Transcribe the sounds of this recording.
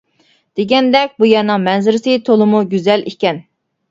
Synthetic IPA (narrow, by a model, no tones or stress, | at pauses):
d̪̥eɡʲɛnd̪ɛk̚ʲbujɛɾnɨŋmɛnzɪɾɪsɪt̪ʰolˠʊmuɡʲyzɛlikʲɛn